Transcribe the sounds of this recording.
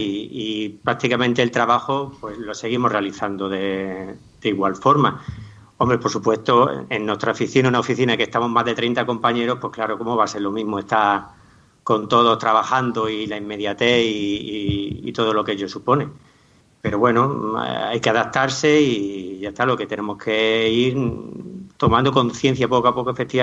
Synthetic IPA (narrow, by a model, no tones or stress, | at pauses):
ipɾak̚t̪ikamẽnt̪elt̪ɾaβaxopwe̞zlo̞se̞ɣ̞imo̞hre̞aliθand̪oðe̞ | d̪̥eiɣwalfo̞ɾma | o̞mbɾepo̞ɾsupwe̞st̪oenːwe̞st̪ɾaofiθinaunaofiθinake̞st̪amo̞ɦmazðe̞t̪ɾejnt̪ako̞mpaɲe̞ɾo̞hpwe̞hklaɾo̞ko̞moβ̞ase̞ɾlo̞mĩɦmoe̞st̪a | ko̞nt̪oðo̞ht̪ɾaβaxand̪oilaimːe̞ðjat̪e̞iː | ḭt̪o̞ðo̞lo̞keʎosupo̞nẽ̞ | pe̞ɾo̞βwe̞noajkeaðat̪aɾse̞iʝat̪alo̞ket̪e̞ne̞mo̞hkʰe̞iɾ | t̪o̞mand̪oko̞nθje̞n̟θjapo̞koapokoefe̞t̪ia